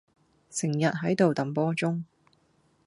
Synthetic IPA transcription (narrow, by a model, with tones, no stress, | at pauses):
sɪ˨˩ŋjɐ˨t̚ɦɐ˨˥jt̪o˨wt̪ɐ˨˩mpɔː˥t͡sʊ˥ŋ